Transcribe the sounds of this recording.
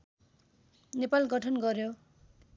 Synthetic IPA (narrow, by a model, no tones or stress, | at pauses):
nepalɡʌʈʰʌnɡʌrjo